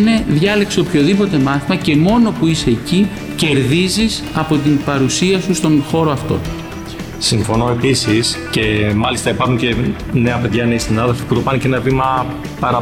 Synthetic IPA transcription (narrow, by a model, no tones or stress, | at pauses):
ne̞ðʝɐle̞kse̞o̞pço̞ðipo̞t̪e̞mɐθimɐce̞mo̞no̞puise̞ːci | ce̞ɾðizis | ɐpo̞t̪̬imbɐɾusiɐsust̪o̞nxo̞ɾo̞ɐft̪o̞̰ | siɱfo̞no̞e̞pisisce̞mɐlist̪ɐipɐɾxuɲce̞ | ne̞ɐpe̞ðʝɐne̞isinɐðelfi̥put̪o̞pɐnecenɐvimɐ | pɐɾɐ